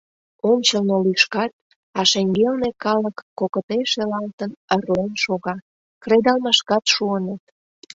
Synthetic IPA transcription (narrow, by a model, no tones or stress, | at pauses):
omt͡ɕəlnolyʃkɑt̪̚ | ɑʃeŋɡelnekɑləkːokət̪eʃelɑlt̪ənəroənʃoɣɑ | kred̪ɑlmɑʃkɑt̪ʃuənət̪